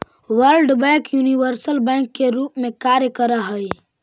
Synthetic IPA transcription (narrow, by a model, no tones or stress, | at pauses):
wəɾlɖbɛ̃ːkjuːniʋəɾsəlbɛ̃ŋkːeɾuːpmẽkaːɾjəkəɾaɦəj